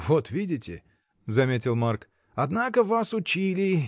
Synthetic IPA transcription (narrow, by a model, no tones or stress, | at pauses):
vot̪vʲidʲɪtʲɪ̰ | zɐmʲetʲɪlˠmark | ɐd̪nakəvasʊt͡ɕilʲɪ